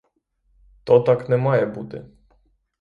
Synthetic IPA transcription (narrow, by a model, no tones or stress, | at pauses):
t̪ɔt̪aknɛmajɛbud̪ɘ̰